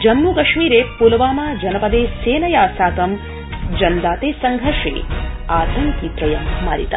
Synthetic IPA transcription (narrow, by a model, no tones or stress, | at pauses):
d͡ʒɐmːukɐʂmiːɾeːpulɐʋaːmaːd͡ʒɐnɐpɐd̪eːseːnɐjaːsaːkɐm | d͡ʒɐnd̪aːt̪eːsɐŋɡʱɐɾʂḛːaːt̪ɐŋkipɾɐjɐmma̰ːɾḭt̪ɐ